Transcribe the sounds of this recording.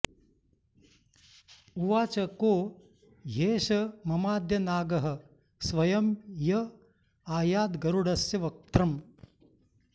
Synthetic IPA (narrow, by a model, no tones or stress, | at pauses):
uʋaːt͡ʃɐkoː | jeːʃɐmɐmaːd̪jɐnaːɡɐɦɐ̆ | sʋɐjɐmjɐ | aːjaːd̪ɡɐɾuɽɐsjɐʋɐk̚t̪ɾɐm